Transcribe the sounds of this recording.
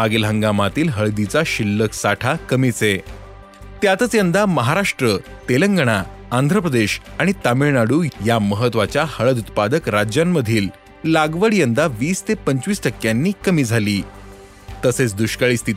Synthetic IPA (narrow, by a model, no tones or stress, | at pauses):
aɡilɦəŋɡamat̪iːlɦəɭd̪it͡saɕilːəksaʈʰakəmit͡se | t̪jat̪ət͡sjənd̪aməɦaɾaʂʈɾə | t̪eləŋɡəɽ̃aand̪ʱɾəpɾəd̪eɕaɽ̃it̪amiɭnaɽuːjaməɦət̪ʋat͡ɕjahəɭəd̪ut̪̚pad̪əkɾad͡ʑjamːəd̪ʱiːl | laɡʋəɽijənd̪aʋiːst̪epəɲt͡sʋiːsʈəkːjanːiːkəmiːd͡zʱaliː | t̪əset͡sd̪uɕkaɭiːst̪ʰit̪